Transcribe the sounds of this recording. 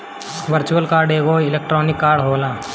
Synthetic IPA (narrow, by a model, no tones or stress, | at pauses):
ʋəɾt͡ʃuəlkaːɾɖeːɡoːɪlek̚ʈɾɔːnɪkːaːɾɖɦoːlaː